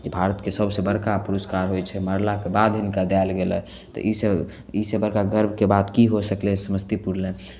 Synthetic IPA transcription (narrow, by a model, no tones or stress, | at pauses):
d͡ʒebʱaɾət̪kesəbʱsebəɾkapuɾəskaɾɦojt͡ʃʰɛməɾlakebad̪ɦɪnkad̪aelɡelɛ̰ | t̪ɔ̰ʔise | isebəɾkaɡəɾbʱkebad̪kiɦosəklesəməst̪ipuɾlẽ